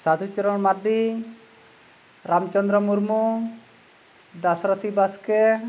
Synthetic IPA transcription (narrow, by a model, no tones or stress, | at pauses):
sad̪ʰʱut͡ʃɔɾɔɽmaɾɖi | ɾamt͡ʃɔnd̪ɾɔmuɾmu | d̪asɾɔt̪ʰibaske